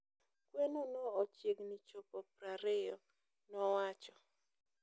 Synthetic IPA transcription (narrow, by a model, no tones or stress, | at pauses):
kwenonoːt͡ʃjeɡnit͡ʃopɔpɾaɾɪjɔ | nɔwat͡ʃɔ